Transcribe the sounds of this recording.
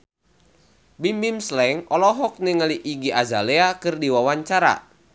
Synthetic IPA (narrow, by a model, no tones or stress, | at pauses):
bimbimslɛŋɔlɔɦɔk̚niŋəliʔiɡiʔazaleakɨrdiwawaɲt͡ʃaɾa̰